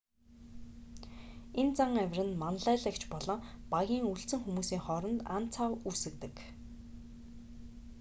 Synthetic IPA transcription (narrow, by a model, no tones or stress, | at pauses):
ent͡saŋæwʲrɘ̆nmanɮæːɮə̆kt͡ɕʰpɔɮɞ̆ːpaɣʲiːŋuɬt͡sɘ̆ŋxumuːsiːŋχɔɾɞ̆nt̪an̥t͡sʰawusɘ̆kt̪ɘ̆k